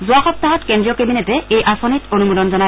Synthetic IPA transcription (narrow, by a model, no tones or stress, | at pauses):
zuaxɔt̚t̪ːaɦɔtkendɹijɔkebinetɛejʔasɔnitonumudɔnzɔna